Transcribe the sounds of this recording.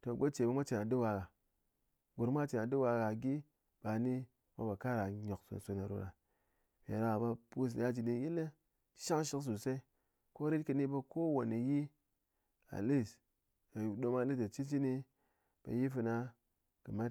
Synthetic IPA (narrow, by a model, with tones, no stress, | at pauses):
to˨ɡo˦t͡ʃe˨ba˧˦mʷa˦t͡ʃe˨na˨dɨ˦wa˧ɡa˨ | ɡo˨ɾmʷa˦t͡ʃe˨na˨dɨ˦wa˧ɡa˨ɡi˦ | b̥a˨ni˦ | mʷa̰˦ba˨ka˦ɾa˨ɲo˨kso̰˨n˨so˨na˨ɾṵ˨ɾa˨ | mʲ˨ḛ˨ɾa˨a˨ba˧pu˦s̬a˦d͡ʒi˨di˦ji˦le˦ | ʃa˦ŋʃi˦ks̬u˨sa˦i˦ | ko˦ɾi˦tkɨ˧ni˦˧ba˧ko˦wo˨ni˨ji˦ | a̰˨li˦˨s | a˨ju˨do˧ma˦˨li˦sa˨t͡ʃi˦nt͡ʃi˦ni˧ | b̥a̰˨ji˦fɨ˧na˧ | kɨ˨ma˦t